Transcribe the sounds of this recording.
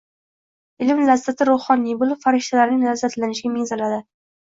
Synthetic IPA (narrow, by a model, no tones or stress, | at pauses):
ɪlɪmlazːat̪ʰɪɾoχɒnːijbolˠɪpfaɾɪʃt̪ʰalaɾnɪŋlazːat̪lanɪʃɪɡʲamɪŋzalad̪ɪ